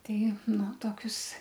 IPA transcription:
ˈtʲɛɪ ˈnʊ ˈtoːkʲʊs

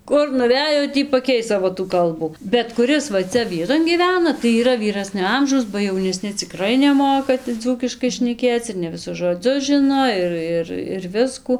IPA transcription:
ˈkʊr nʊˈʋʲæːjoː ˈtʲiː pɐˈkʲɛɪs ˈsɑːʋoː tuː ˈkɐlˠbuː bʲɛt kʊˈrʲɪs ʋɐ ˈt͡sʲɛ ˈʋʲiɛtoːn ɡʲiːˈʋʲæːnɐ tɐɪ iːˈrɐ ʋʲiːˈrɑːsʲnʲoː ˈɐmʒɐʊs bɐ jɛʊnʲɛˈsʲnʲɪ t͡sʲɪˈkrɐɪ nʲɛˈmoːkɐ tɐɪ ˈd͡zuːkʲɪʃkɐɪ ʃʲnʲɛˈkʲeːt͡s ɪr nʲɛ ʋʲɪˈsʊs ʒoːˈd͡zʲʊs ʒɨnoː ˈɪr ɪr ɪr ˈʋʲɪskuː

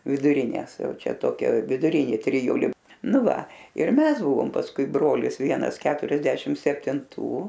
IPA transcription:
ʋʲɪdʊˈrʲɪnʲeːs ˈjɛʊ ˈt͡ʃʲɛ ˈtoːkʲɛ ʋʲɪdʊˈrʲɪnʲeː tʲrʲɪˈjʊlʲɪ ˈnʊ ˈʋɐ ɪr ˈmʲɛs ˈbʊʋoːm pɐsˈkʊɪ ˈbroːlʲɪs ˈʋʲiɛnɐs ˈkʲæːtʊrʲɛzʲdʲɛʃʲɪm sʲɛpʲtʲɪnˈtuː

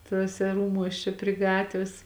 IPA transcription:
tuɔˈsʲɛ ˈruːmuɔs ˈt͡ʃʲɛ pʲrʲɪ ˈɡɑːtʲʋʲeːs

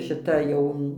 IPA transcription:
ʃʲɪˈtɐ ˈjɛʊ

